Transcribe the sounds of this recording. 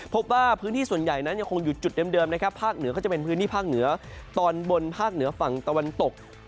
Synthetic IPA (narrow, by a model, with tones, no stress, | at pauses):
pʰo˦˥p̚waː˥˩pʰɯː˦˥nʰiː˥˩su˨˩ənja˨˩jna˦˥nja˧ŋkʰo˧ŋju˨˩t̪̚t͡ɕu˨˩t̪̚dɤː˧mdɤː˧mna˦˥kʰa˦˥pʰːaː˥˩k̚nɯ˩˦kɔː˥˩t͡ɕa˨˩pe˧npʰɯ˦˥nʰiː˥˩pʰaː˥˩k̚nɯ˩˦ɐt̪ɔː˧nbo˧npʰaː˥˩k̚nɯ˩˦ɐfa˨˩ŋt̪a˧wa˧nt̪o˨˩k̚